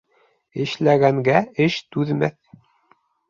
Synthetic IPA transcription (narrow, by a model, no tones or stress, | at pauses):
ɘ̆ʃlæɡæŋɡæɘʃt̪ʉðmæθ